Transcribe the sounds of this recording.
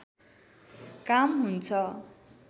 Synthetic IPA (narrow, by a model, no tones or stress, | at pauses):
kamɦunt͡sʰʌ